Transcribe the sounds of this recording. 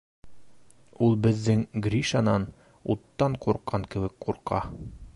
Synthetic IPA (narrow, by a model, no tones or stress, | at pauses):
ulˠbɘ̆ðːɘŋɡrʲiʃanɑn | ṵt̪ːɑɴquɾqʰɑŋkɘ̆wɘkquɾqɑ̰